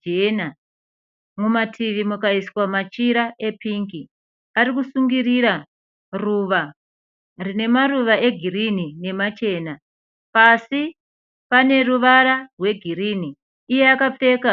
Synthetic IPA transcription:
ena | mumatʰiʋimukaiswamat͡ʃiɾaʔe̞piŋɡi | aɾikusuŋɡiriɾa | ruʋa | rine̞maruʋaʔe̞ɡʱiɾinine̞mat͡ʃe̞ːna | pasi | pane̞ɾuʋaɾarwe̞ɡʱiɾiːniː | jeakap͡fe̞ka

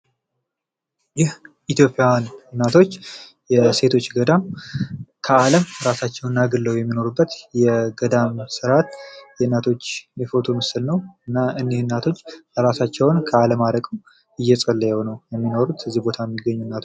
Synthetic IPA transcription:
jɪhʔit̪jo̞pʼːjannːat̪ʰo̞t͡ʃː | jɛse̞t̪ʰo̞t͡ʃːɡəd̪am | kʰəaləmɾasat͡ʃːɛwɨnːaɡɨlːəwjɛmːino̞ɾubːət̪jɛɡəd̪amsɨɾat̪jɛnːat̪ʰo̞t͡ʃːjɛfo̞t̪ʰo̞mɨsɨlnəwɨnːaɨnːehnːat̪ʰo̞t͡ʃːəɾasat͡ʃːɛwnkʰəaləmaɾəkʼ | ʔɨjːɛsʼəlːəjɛonəwjɛmːino̞ɾut̪ɨzːihbo̞t̪ʰajɛmːiɡəɲːunːat̪ʰo

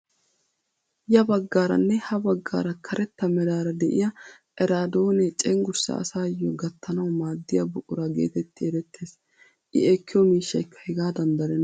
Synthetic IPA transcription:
jɐbɐɡːaːɾɐ̰nːɛhɐbɐɡːa̰ːɾɐkʰɐɾʔɛt̪ːɐmɛd̪aːɾɐd̪ɛʔɪ̰jɐʔɛɾaːd̪o̞ːnɛt͡ʃʼɛŋɡʊɾsɐ̰ɐ̰saːjːɔɡɐt̪ːɐnɐwmaːd̪ːɪjɐbʊʔʼʊɾɐɡḛːt̪ɛt̪ːɪɛɾɛt̪ʰːe̞ːs | ʔɪ̰ɛkːɪjɔmiːʃːɐɪkʰːɐ̥hɪɡaːd̪ɐnd̪ɐɾɛn

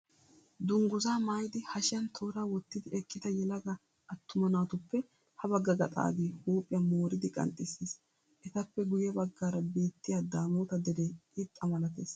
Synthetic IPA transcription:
d̪ʊŋɡʊzaːmaːjd̪ɪhɐʃjɐnt̪ʰo̞ːɾaːwɔt̪ːɪd̪ɪɛkːɪd̪ɐjɛlɐɡɐ | ʔɐt̪ːʊmɐnaːt̪ʊpːɛ | hɐbɐɡːɐɡɐt̪ʼa̰ːɡeːhuːpʼɪjɐmoːɾɪd̪ɪkʼɐ̰nt̪ʼːɪseːs | ʔɛt̪ɐpːɛɡʊjɛbɐɡːaːɾɐbe̞ːt̪ːɪjaːd̪aːmoːt̪ɐd̪ɛd̪eɪt̪ʼːɐmɐlɐt̪ḛːs

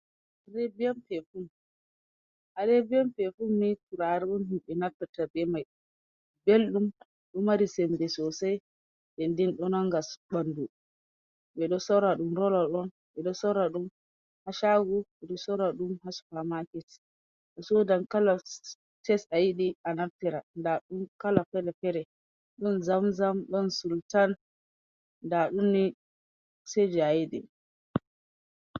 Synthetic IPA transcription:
aɾɛbijamfɛfu | ʔaɾebiamfɛfumituɾaɾiɔnhimɓɛnapːatabɛmaj | belɗum | ɗumaɾisɛmdɛsɔsaj | ɗɛndinɗɔnaŋɡasbandu | ɓɛɗɔsɔɾaɗumɾɔlaɗɔn | ɓɛɗɔsɔɾaɗum | haʃaɡuɓɛɗɔsɔɾaɗumhasu̥famakɛt | ɗɔsɔdamkala | tɛsajiɗianaftɛɾandaɗumkalafɛɾɛfɛɾɛ | ɗɔnzamzamɗɔnsultanː | daɗumni | sed͡ʒɛajidɛ̰

